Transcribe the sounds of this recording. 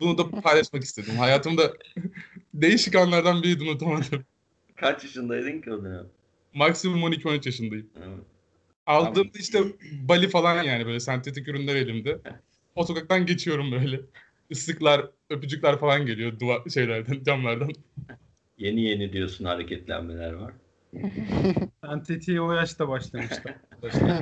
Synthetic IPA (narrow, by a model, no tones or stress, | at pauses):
bunud̪apʰajlˠaʃmaki̥st̪ʰe̞d̪imhajaːt̪ʰɯmd̪a | d̪e̞jiʃikanlˠaɾd̪anbiɾid̪unut̪ʰanad̪ɯm | kʰat͡ʃjaʃɯnd̪ajd̪iɲciod̪ina | maksimumo̞nicʰio̞nyt͡ʃjaʃ̬ɯnd̪ajɯmɛɛ | alˠd̪ɯːmd̪aiʃt̪ʰɛbalʲifalˠanjaːnibøjlʲɛsænt̪ʰet̪icyɾynlʲæɾe̞lʲimd̪ɛ | o̞t̪okak̚t̪anɟe̞t͡ʃʰijo̞ɾumbø̞jlʲɛ | ɯsɯklˠaɾ | ø̞p̬yd͡ʒyklˠaɾfalˠanɟe̞lijo̞d̪uaʃe̞jlʲæɾd̪ænd͡ʒamlˠaɾd̪an | je̞nije̞nid̪ijosunhaɾecʰɛt̪lʲæ̰nmḛlʲæɾvaɾ̥ | sænt̪ʰet̪ʰiojaʃt̪abaʃlˠamɯʃt̪aaʃa